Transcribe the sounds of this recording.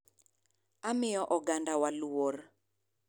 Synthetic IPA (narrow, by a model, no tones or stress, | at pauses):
amɪjɔʔɔɡandawalor